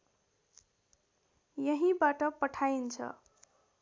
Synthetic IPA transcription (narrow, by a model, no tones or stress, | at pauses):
jʌɦibaʈʌpʌʈʰaint͡sʰʌ̰